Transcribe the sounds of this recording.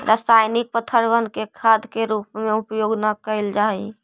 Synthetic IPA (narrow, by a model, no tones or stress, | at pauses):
ɾʔəst̪ʰajnik̚pət̪ʰəɾʋənkekʰad̪keɾupmẽupjoɡnəkəeld͡ʒai